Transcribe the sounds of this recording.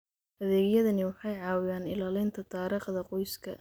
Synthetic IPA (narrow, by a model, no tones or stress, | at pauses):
hɐðɛːɣjɐðɐnɪwɑħɑjʕɑːwɪjaːnɪlaːlɪnt̪ʰɐt̪ʰaːɾiːχd̪ɐqɔjskʰɐ̰